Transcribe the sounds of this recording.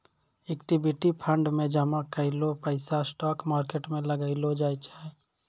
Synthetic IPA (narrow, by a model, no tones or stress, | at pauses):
ekʈibiʈipʰə̃ɳɖmẽd͡ʒəmakəɪlopəɪsasʈɔːkmaːɾkeʈmẽləɡaɪlod͡ʒaːit͡ʃaːɦe